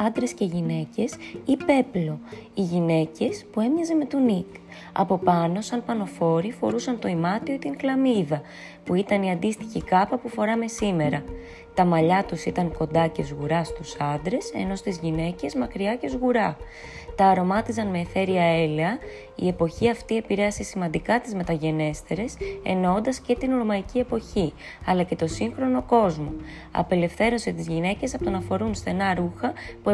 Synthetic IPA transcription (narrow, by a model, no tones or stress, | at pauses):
ɐnd̪ɾe̞sce̞ʝine̞ce̞sipe̞plo̞iʝine̞ce̞spue̞mɲɐzeme̞t̪unik | ɐ̰po̞pɐno̞sɐnpɐno̞fo̞ɾifo̞ɾusɐnt̪o̞imɐt̪ioit̪iŋklɐmiðɐ | puit̪ɐniɐnd̪ist̪içikɐpɐpufo̞ɾɐme̞sime̞ɾɐ | t̪ɐmɐʎɐt̪usit̪ɐŋko̞nd̪ɐce̞zuɣuɾɐst̪usɐnd̪ɾe̞se̞̰no̞st̪izʝine̞ce̞zmɐkɾiɐce̞zuɣuɾɐ | t̪ɐːɾo̞mɐt̪isɐnmeːθe̞ɾiɐeleɐ | ḭe̞po̞çiɐft̪ie̞piɾe̞ɐsesimɐnd̪ikɐt̪izme̞t̪ɐʝe̞ne̞st̪e̞ɾe̞se̞̰nond̪ɐsce̞t̪inuɾmɐicie̞po̞çi | ɐlɐce̞t̪o̞siŋxɾo̞no̞ko̞zmo̞ | ɐ̰pe̞le̞fθe̞ɾonset̪izʝine̞ce̞sɐpot̪o̞nɐfo̞ɾunsθe̞nɐɾuxɐpu